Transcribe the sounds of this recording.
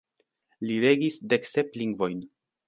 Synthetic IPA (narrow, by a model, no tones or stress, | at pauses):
liɾe̞ɡisde̞kse̞pliŋɡvo̞jn